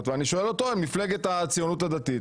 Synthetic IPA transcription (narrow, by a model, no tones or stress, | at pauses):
t̪veaniʃo̞e̞lo̞t̪o̞emifle̞ɡet̪at͡sijo̞nut̪̬ad̪at̪it̪